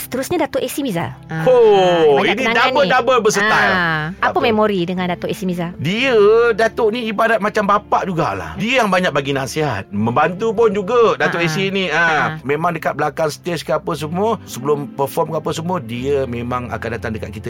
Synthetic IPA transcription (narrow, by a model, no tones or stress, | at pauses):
sə̥t̪əɾusɲadat̪ʊʔesimiza̰o | inidabədabəbəs̬ət̪ajapəmemoɾidəŋãndat̪ʊʔesimizadiədat̪oʔniibadat̪̚mat͡ʃambapaʔd͡ʒuɡa̰ʔla̰hdiəjaŋbaɲak̚baɡinasiɦa̰t̪̚məmbant̪up̬ʊnd͡ʒuɡədat̪oʔesiniəmemaŋdəkat̪̚bəlakaŋsə̥t̪eskəapəs̬əmuəsəbəlʊmpərfɔrmkəapəsəmuədiəmemaŋa̰kandat̪aŋdəkat̪̚kit̪ə